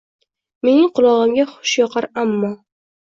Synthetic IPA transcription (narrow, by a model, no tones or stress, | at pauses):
me̞nɪŋqʰʊlˠɒʁɨmɡʲaχʊ̥ʃjɒqʰaɾamːɒ